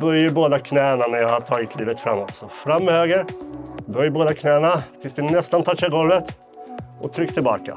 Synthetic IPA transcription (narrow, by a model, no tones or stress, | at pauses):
bœɾjəɾboːd̪akʰnɛːənanæɾjahaʈʰɑːɡət̪ʰliːvət̪fɾamːɔt̪sɔfɾamːhøːɡəɾbœjboːd̪akʰnɛːənat̪ʰɪlsd̪ɛnɛst̪ant̪ʰɑːʂɛɡɔlʋət̪ | ʔɔt̪ʰɾʏkːt̪ʰɪlbɑ̰ːka̰